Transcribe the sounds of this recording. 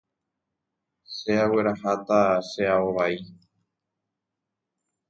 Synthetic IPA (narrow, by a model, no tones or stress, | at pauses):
ʃeawe̞ɾahat̪aʃeaoβai